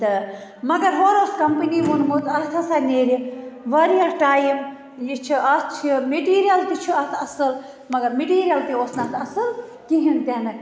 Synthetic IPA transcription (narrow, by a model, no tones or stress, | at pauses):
d̪ɨmɐɡɐɾɦoɾoːskɐmpɐniʋunmut̪ʰɐt̪ʰɐsaneːɾiʋɐɾijɐʈaːjim | jit͡ʃʰiɐt͡ʃʰimeʈiːɾijɐlt̪it͡ʃʰuɐt̪ʰɐsɨl | mɐɡɐɾmeʈiːɾjɐlt̪ioːsnɐt̪ʰɐsɨl | kiɦint̪enɨ